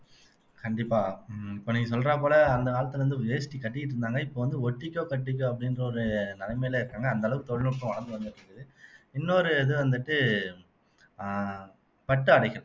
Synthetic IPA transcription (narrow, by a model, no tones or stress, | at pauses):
kɐɳɖɪpːaːɪpːoːniːŋɡɐs̬ɔlɾaːp̬oːlɐːnd̪ɐʋaːɭɐt̪ːɐlɐʋɐnd̪ɯʋɪd͡ʒɐjsɪ̥ʈːikɐʈːɪjɪʈ̬ːɪɾɯnd̪aːŋɡɐɪpːoːʋɐnd̪ɯɔʈːɪkʲːoːkɐʈːɪk̬ʲːõɐp̬ːɐɽɪnrɐɔɾɯnɐlɐmeːɪlɐɪɾɯkːaːŋɡɐːnd̪ɐlɐʋɯkɯt̪ɔɽɪlɔɽʈːʊ̃ʋɐɳɐnd̪ɯʋɐnd̪ɯʈːɾɯkɐðɯɪnːoɾɯɪðɯʋɐnd̪ɯʈːɯ | pɐʈːɯɐɽɐɪɣɐɾɐ̃